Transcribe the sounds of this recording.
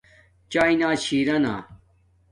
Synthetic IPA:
t͡ɕaːinaːt͡ɕʰiːɾɐna̰ː

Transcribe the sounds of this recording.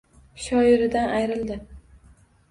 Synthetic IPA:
ʃɒɪɾɪd̪anʔajɾɪld̪ɪ

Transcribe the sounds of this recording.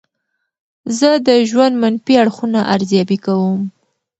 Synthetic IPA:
zəd̪əʒwand̪manfiaɽxunaʔaɾzjɑbikawəm

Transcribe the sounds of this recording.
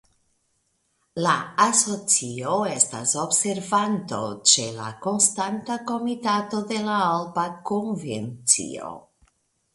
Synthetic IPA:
laaso̞t͡sioe̞sta̰so̞bse̞ɾvanto̰t͡ʃe̞la̰ko̞nstantako̞mitato̞de̞laalbakonvent͡sḭo̰

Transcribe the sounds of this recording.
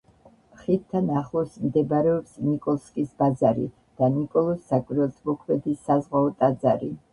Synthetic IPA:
χit̪t̪ʰːanaχlˠɔsmd̪ɛbɾɛɔpsnikʼɔlˠskʼisbazaɾḭ | d̪̥anikʼɔlˠɔsːakʼiɾɛlˠt̪ʼmɔkʰmɛd̪isːazʁwaɔt̪ʼazaɾi

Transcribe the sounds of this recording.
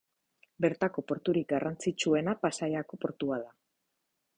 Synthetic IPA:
be̞ɾt̪ako̞po̞ɾt̪uɾik̚ɡarant͡sit͡ʃue̞napasajako̞po̞ɾt̪uaða

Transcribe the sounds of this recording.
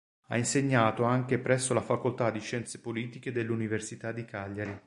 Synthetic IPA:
a̰inseɲːaːt̪oaŋk̟epɾɛsːolafakolt̪ad̪ːiʃɛnt̪se̥poliːt̪iked̪elːuniversit̪ad̪ːikaʎːaɾi

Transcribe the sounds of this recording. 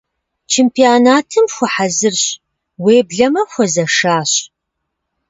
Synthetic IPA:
t͡ʃʰempʰiaːnaːtʰɨmxʷʊħazɨrɕ | weːbɮɐmɐxʷɔzɐʂaːɕ

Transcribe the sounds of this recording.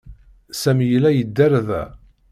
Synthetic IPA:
sæmjəlæjəd̪ːæɾðæ̰

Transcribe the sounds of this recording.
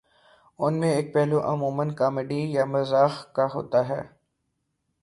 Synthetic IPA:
ʊnmẽeːk̚pɛɦloʔɐmuːmənkaːmeɖijamɐzaːxkaɦo̰ːt̪aɦɛ̰ː

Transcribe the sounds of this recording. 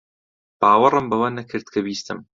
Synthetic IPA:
b̥aːwɨrˤɨmbɐwɐnɐkʰɨɾd̪̥̚kʰɐbiːst̪ɨm

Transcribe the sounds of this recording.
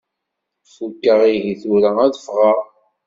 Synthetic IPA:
fukːəʁiʝiθuɾææðəfʁaʁ

